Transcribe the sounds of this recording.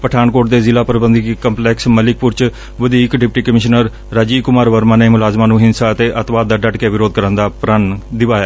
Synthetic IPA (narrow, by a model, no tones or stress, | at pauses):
pəʈʰaːnkoːʈd̪eːzɪlaːpɾəbənd̪iːkəmplɛːksməlɪk̚pʊɾt͡ʃ | ʋəd̪iːkɖɪp̚ʈiːkəmɪʃnəɾː | aːd͡ʒiːkʊmaːɾʋəɾmaːneːmʊlaːzmaːnũːɦɪnsaːət̪eːʔət̪ʋaːd̪̚d̪aːɖəɖkeʋɪɾoːd̪̚kəɾənd̪aːpɾənd̪ɪʋaːjaː